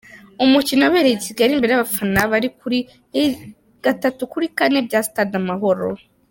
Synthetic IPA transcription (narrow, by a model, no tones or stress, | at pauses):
umucinoweːɾesiɡaaɾiːmbeeaβafanaβaɾikuɾi | ɡ̥atatukuɾikane̞bjaːstadamaɦo̞ɾo̰